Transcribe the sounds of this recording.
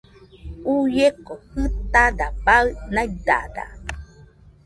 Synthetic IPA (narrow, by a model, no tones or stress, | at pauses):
ujekohɨt̪adabaɯnaid̪a̰d̪a̰